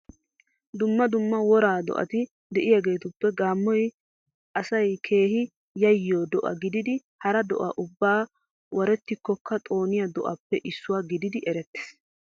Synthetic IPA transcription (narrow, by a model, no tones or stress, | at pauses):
d̪ʊmːɐd̪ʊmːɐwɔɾaːd̪ɔ̰ʔɐ̰t̪ɪ | d̪ɛʔɪjaɡe̞ːt̪ʊpːɛɡaːmːɔj | ʔɐsɐjkʰe̞ːhɪ | jɐjːoːd̪ɔʔɐ̰ɡɪd̪ɪd̪ɪ | hɐɾɐd̪ɔ̰ʔɐ̰ʔʊbːaː | wʔɐɾɛt̪ːɪkːɔkʰːɐt̪ʼo̞ːnɪjɐd̪ɔʔɐ̰pːɛʔɪsːʊwaːɡɪd̪ɪd̪ɪʔɛɾɛt̪ːe̥s